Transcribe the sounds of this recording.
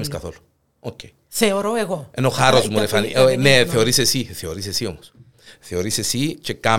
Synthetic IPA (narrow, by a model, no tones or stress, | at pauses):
meskaθolo̥ | okej | θeoɾoeɣoenoxaɾosmoɾefanḭʔoneθeoɾisesiθeoɾis̬esiomos | θeoɾisesit͡ʃeka